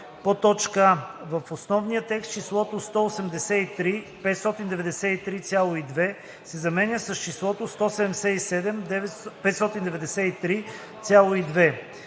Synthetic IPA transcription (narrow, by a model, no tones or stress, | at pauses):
pot̪ɔt͡ʃkəvəfosnɔvnijət̪ɛkst̪̚t͡ʃislˠɔt̪ost̪ɔosɛmd̪ɛsɛit̪ɾi | pɛt̪st̪ɔt̪ind̪ɛvɛd̪ɛsɛit̪ɾit̪sʲjalˠoid̪vɛ | sɛzɐmɛnʲəsəst͡ʃislˠɔt̪ost̪ɔsɛd̪ɛmd̪ɛsɛisɛd̪ɛmd̪ɛvɛpɛt̪st̪ɔt̪ind̪ɛvɛd̪ɛsɛit̪ɾi | t̪sʲjalˠoid̪vɛ